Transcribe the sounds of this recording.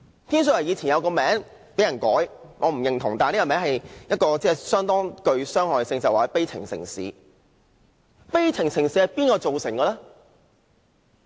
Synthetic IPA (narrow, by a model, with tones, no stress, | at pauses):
t̪ʰiː˥ns̬ɵ˧ɐ˨˩jiː˨˧t͡sʰiː˨˩jɐ˨˧wkɔː˧mɛː˨˥ŋpe˨˥jɐ˨˩nkɔː˨˥jŋɔː˨˧m̩˨˩jɪ˨˩ŋt̪ʰʊ˨˩ŋt̪aː˨niː˥ɡɔ˧mɛː˨˥ŋhɐ˨jjɐ˥t̚kɔː˧t͡sɛː˥˩sœː˥ŋt̪ɔː˥ŋkɵ˧ɥsœː˥ŋhɔː˨˩jsɪ˧ŋsɐ˨˩waː˨˩ɛ˧˥pe˥jt͡sʰɪ̰˨˩ŋsɪ̰˨˩ŋsḭː˨˥ | pe˥jt͡sʰɪ˨˩ŋsɪ˨˩ŋsi˨˥hɐ˨jpiː˥nkɔː˧t͡so˨wsɪ˨˩ŋkɐː˧lɛː˥